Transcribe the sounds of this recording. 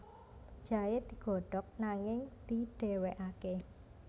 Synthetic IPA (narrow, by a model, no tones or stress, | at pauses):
d͡ʒ̥a̤jed̪̥i̤ɡ̥ɔ̤ɖ̥ɔk̚naŋɪŋd̪̥i̤ɖ̥e̤weʔake